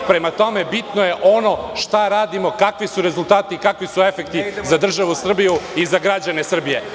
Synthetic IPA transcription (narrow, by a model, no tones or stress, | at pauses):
pɾe̞mat̪o̞me̞bit̪noje̞ʔo̞no̞ʃt̪aɾaːd̪imo̞kakʋisuɾe̞zulˠt̪aːt̪ikakʋisue̞fe̞k̚t̪izad̪r̩ʒaʋusr̩bijuizaɡɾad͡ʑanesr̩bije̞